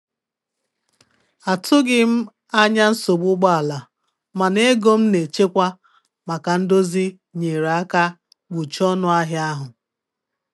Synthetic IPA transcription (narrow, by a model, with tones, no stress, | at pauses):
a˨tʊ˦ɡɪ˦m̩˦ | a˦ɲa˦n̩˦so˨ɡ͡bʊ˦ɡ͡ba˦a˨la˨ | ma˨ne˦ɡo˦m̩˦ne˨t͡ʃe˦kʷa˦ | ma˨ka˨n̩˦do˦zi˦ | ɲe˨ɾa˦ka˦ | ɡ͡bu˨t͡ʃɔ˦nʊ˦a˦ɦja˦ɦʊ˨